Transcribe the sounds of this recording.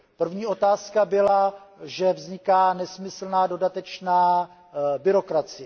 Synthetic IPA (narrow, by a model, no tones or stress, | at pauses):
pr̩vɲiːʔo̞t̪aːskabɪlaʒɛvzɲɪkaːnɛsmɪsl̩naːdo̞dat̪ɛt͡ʃnaː | bɪɾo̞kɾat͡sɪjɛ